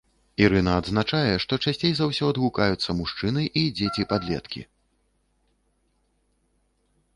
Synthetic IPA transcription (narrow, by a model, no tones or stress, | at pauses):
iɾɨnɐːd̪znat͡ʂajɛʂt̪ɔt͡ʂasʲt͡sʲejzawsʲɔɐd̪ɣukajut̪sːɐmuʂt͡ʂɨnɨʔid͡zʲet͡sʲipad̪lʲɛ̰t̪kʲḭ